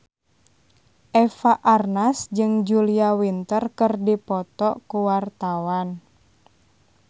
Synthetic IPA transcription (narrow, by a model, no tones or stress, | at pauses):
ʔɛfaʔarnasd͡ʒɨŋd͡ʒuliawint̪ərkərdipɔt̪ɔʔkuwart̪awan